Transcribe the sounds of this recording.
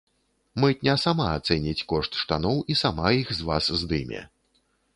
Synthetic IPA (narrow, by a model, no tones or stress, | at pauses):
mɛt̪ʲnʲasamaat̪sɛnʲit͡sʲkɔʂt̪ʂt̪anɔwisamajixzvaszd̪ɨmʲɛ̰